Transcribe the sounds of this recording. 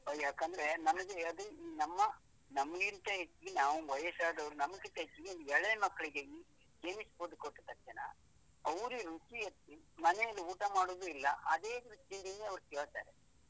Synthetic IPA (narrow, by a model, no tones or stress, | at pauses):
oːjaːkɐnd̪ɐɾenɐmɐɡeɐd̪uiːnɐmːɐ | nɐmːɐɡiɾt̪ɐɦet͡ʃːiɡenaːʋuʋɐjɐsaːd̪ɐʋɾunɐmɡit̪ːɐɦet͡ʃːiɡeond̪uɛɭːɐmɐkːɐɭiɡei | d͡ʒeːmiskoːd̪ukoʈːut̪ːɐkʂɐnɐ̰ | ɐʋɾuɾut͡ʃiɐt̪ːimɐnɛjɐlːiuːʈamaːɽoːd̪uilːɐ̰ʔɐd̪e̞ːd̪ɾut͡ʃːjɐɡeneɐʋɾusioːt̪a̰ːɾe